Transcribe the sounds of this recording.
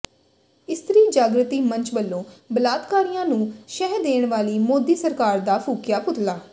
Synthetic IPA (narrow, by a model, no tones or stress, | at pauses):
ɪst̪ɾiːd͡ʒaːɡɾət̪iːməɲt͡ʃbəlːõːbəlaːd̪kaːɾɪjãːnũːʃɛːɦd̪eːɳʋaːliːmoːd̪iːsəɾkaːɾd̪aːpʰuːkjaːpʊt̪laː